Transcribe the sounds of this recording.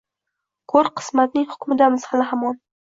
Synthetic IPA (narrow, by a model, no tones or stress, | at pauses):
kʰɵɾqʰɨ̥smat̪̚nɪŋhʊ̥kʲmɪd̪amɪzhalɪɦamɒn